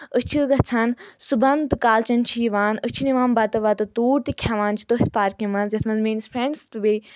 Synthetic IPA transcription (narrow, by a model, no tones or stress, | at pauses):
ət͡ʃʰiɡɐt͡sʰansubɐnt̪ɨkaːlt͡ʃɐnt͡ʃʰijiʋaːnət͡ʃʰiniʋaːnbat̪ɐʋaːt̪ɐt̪uːɾt̪ikʲʰaʋãːnt͡ʃʰi̥t̪oɦt̪ʰpaːɾkimɐnzjɐt̪ʰmɐnzmeːnspʰɾẽɳɖst̪ɨbe